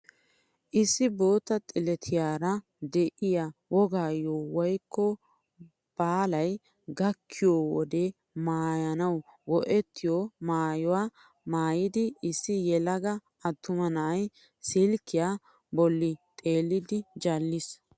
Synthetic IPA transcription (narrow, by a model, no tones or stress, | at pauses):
ʔɪsːɪbo̞ːt̪ːɐt̪ʼɪlɛt̪ʰɪjaːɾɐ | d̪ɛʔɪjawɔɡaːjoːwɔjkːɔ | b̥aːlɐj | ɡɐkʰːɪjoːwɔd̪e | maːjɐnɐwwɔʔɛt̪ːɪjoːmaːjɔwaː | maːjɪd̪ɪɪsːɪjɛlɐɡɐ | ɐt̪ːʊmɐnɐʔɐj | sɪlkːɪjaː | bɔlːɪt̪ʼe̞ːlːɪd̪ɪd͡ʒɐlːɪs